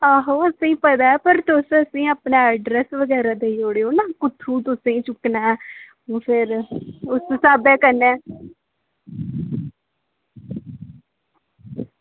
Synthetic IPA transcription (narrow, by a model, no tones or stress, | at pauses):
aɦoːəsẽːpəd̪aːɛːpəɾt̪ʊsəsĩːaːpnaːɛɖɾɛsʋəɡɛːɾaːd̪eːjoːɽeːoːnaːkʊt̪ʰːũːt̪̬ʊsẽĩːt͡ʃʊknaːɛ̃ː | pʰɪɾʊssaːbɛːkəɾnɛː